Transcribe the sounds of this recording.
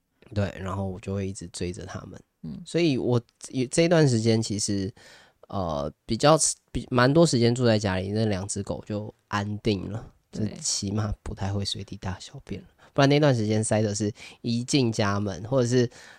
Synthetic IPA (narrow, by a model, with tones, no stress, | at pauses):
t̪we˥˩ɪɻa˧˥nxo˥˩ʊwɔ˨˩t͡ɕjo˥˧ʊxwe˥˧ɪi˥˩ʈ͡ʂɻ̩˧˥t͡swe˥ɪʈ͡ʂə˨˩t̪ʰa̰˦˥mə̰˨n | swɔ˧˥i˨˦wɔ˨˩˨ | ʈ͡ʂɤ˥˧˨i˧t̪wa˥˩nʂ̬ɻ̩˧˥t͡ɕjɛ˥nt͡ɕʰi˧˥ʂɻ̩˧˥˦ | ə̰˨˩pi˨˩t͡ɕjɑ˥˩ʊpi˨˩ma˧˥nt̪wɔ˥ʂɻ̩˧˥t͡ɕjɛ˥nt͡su˥˧t͡sa˥˩ɪt͡ɕja˥lḭ˨˩nə˥˩ljɑ˨˩ŋt͡sɹ̩˥ko˨˩ʊt͡ɕjo˥˩ʊʔa˦nt̪i˥˩ŋlə̰˩t͡ɕo˥˧˩t͡ɕʰi˧˥ma˥˧pu˧˥t̪ʰa˥˧ɪxwe˥˩ɪswe˧˥ɪt̪i˧t̪a˥˩ɕjɑ˥˧ʊpjɛ˥˩nlə˨˩pʰu˥˩nːa˥˧i˧t̪wa˥˩nʂɻ̩˧t͡ɕjɛ˦nsa˥ɪd̪ə˨˩ʂ̬ɻ̩˥˩i˧˥t͡ɕi˥˩ŋt͡ɕja˥mə̰˨˦nxwɔ˥˩ʈ͡ʂɤ˨˩ʂ̬ɻ̩˥˩